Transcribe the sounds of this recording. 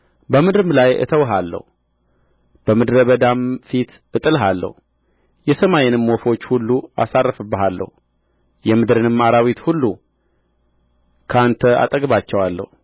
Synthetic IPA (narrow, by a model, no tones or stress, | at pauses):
bəmɨd̪ɾɨmlajɨ̰t̪ʰəwɦalːə̰hu | b̥əmɨd̪ɾəβəd̪amfit̪ | ʔɨt̪ʼɨlɦalːə̰hu | jɛsəmajɛnɨmːofo̞t͡ʃːhulːua̰sarːəfɨbːəɦalːə̰hu | jɛmɨd̪ɾɨnɨmːaɾawit̪hulːu | kʰəant̪ʰəa̰t̪ʼəɡβat͡ʃːɛwalːə̰hu